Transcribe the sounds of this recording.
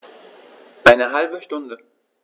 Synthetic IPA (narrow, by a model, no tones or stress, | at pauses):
ʔaɪnəɦalbəʃtʊndə